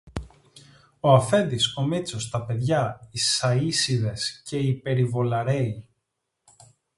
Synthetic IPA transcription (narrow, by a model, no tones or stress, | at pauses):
oɐfe̞nd̪iso̞mit͡so̞st̪ɐpe̞ðʝɐisɐisiðe̞sce̞ipe̞ɾivo̞lɐɾe̞i